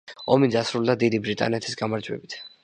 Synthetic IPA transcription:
ɔmid̪asɾulˠd̪ad̪id̪ibɾit̪ʼa̰nɛt̪ʰisɡamaɾd͡ʒwɛ̰bit̪ʰ

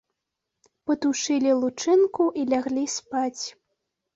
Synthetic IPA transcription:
pɐt̪uʂɨlʲilˠut͡ʂɨnkuʔilʲaɣlʲispat͡sʲ

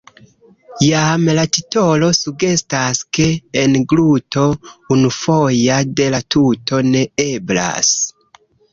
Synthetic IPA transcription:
jamlatito̞lo̞suɡe̞staske̞ːnɡluto̞unufo̞jade̞latutʰo̞ne̞e̞bla̰s

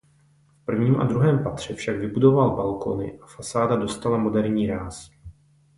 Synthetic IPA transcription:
fpr̩vɲiːmʔa̰dɾuɦɛːmpat̪r̝̥ɛfʃaɡvɪbudo̞valbalko̞̰nɪ̰ʔafasaːdado̞st̪alamo̞dɛɾɲiːɾaːs

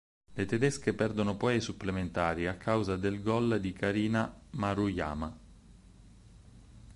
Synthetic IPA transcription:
let̪ed̪ɛskepɛrd̪onopɔjasupːlement̪aːɾiakʰːawzad̪elɡɔld̪ikaɾiːnamaɾuja̰ːma

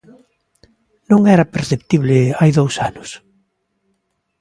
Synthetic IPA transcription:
nõŋɛɾɐpeɾθept̪iβlɪajðowsanʊs

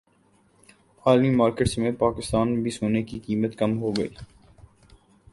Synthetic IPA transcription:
aːlmimaːɾkeːʈsmẽpaːkɪst̪aːnmbʱisoːnekikiːmət̪kɐmɦoːɡɐḭː

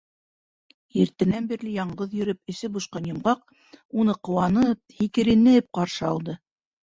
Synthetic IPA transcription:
iɾt̪ɘ̆nænbĭɾlɘjɑɴɢɤðjɵ̆ɾɘp̚ɘ̆sɘbuʃqɑnjɤ̆mʁɑq̚ | unɤqŏwɑnɤp̚hikɘ̆ɾĭnɘ̆p̚qɑɾʃɤɑlˠd̪ɤ

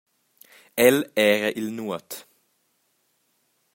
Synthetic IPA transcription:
ɛleːʁəʔɪlnuːət̪

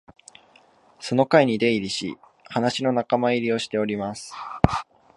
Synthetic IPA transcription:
so̞no̞kaiɲ̟id̪e̞iɾʲiɕḭ | hanaɕino̞nakamaiɾʲio̞ɕi̥t̪e̞o̞ɾʲimasɨ̥

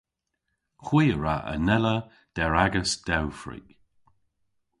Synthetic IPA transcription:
xwiːəɹaʔə̰nɛlə | d̪̥ɛɹaɡəsd̥ɛwfɹḭk

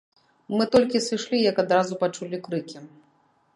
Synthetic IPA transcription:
mɨt̪ɔlʲkʲisɨʂlʲijɐkad̪ɾazupat͡ʂulʲikɾɨkʲi

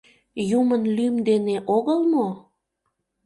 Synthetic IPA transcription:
jumənlymd̪eneʔoɣəlmo

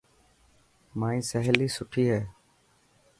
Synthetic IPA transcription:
maːĩːsəɦliːsʊʈʰiːɦɛː

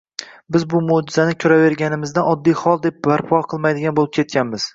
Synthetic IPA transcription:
bɪzbʊmod͡ʒɪzanɪkʲʰʊɾave̞ɾɡʲanɪmɪzd̪anɒd̪ːijχɒlˠd̪ep̚baɾpʰɒqʰɨlˠmajd̪ɪɡʲanbolɪp̚kʲʰe̞t̪̚kʲanmɪz̥

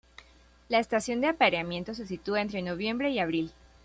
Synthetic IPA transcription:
laest̪asjo̞nd̪eapaɾeamjẽ̞nt̪o̞s̬es̬it̪uaent̪ɾe̞no̞βje̞mbɾe̞iaβ̞ɾil

